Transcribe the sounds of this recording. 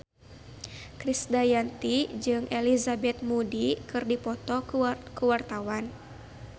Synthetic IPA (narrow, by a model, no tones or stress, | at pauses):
kɾisdajant̪id͡ʒɨŋʔelizabɛt̪̚mudikɨrdipɔt̪ɔkəwart̪awan